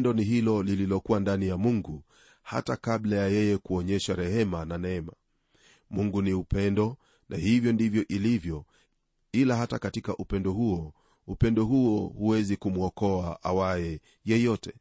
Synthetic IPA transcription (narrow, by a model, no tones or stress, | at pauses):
ndɔniɦilɔlililɔkuwandanijamuŋɡu | ha̰takablajajɛjɛkuɔɲɛʃaɾɛhɛmananɛɛma | muŋɡuniupɛndɔ | nʔahivjɔndivjɔʔilivjɔ | ilaɦatakatikaʔupɛndɔhuɔ | upɛndɔɦuɔhuwɛzikumuɔkɔaʔa̰waɛ | jɛjɔtʰɛ